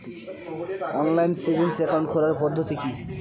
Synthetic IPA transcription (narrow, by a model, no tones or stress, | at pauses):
ɔnlajnsibʱinsɛkanɳɖkʰoɾaɾpɔd̪ʱːot̪iki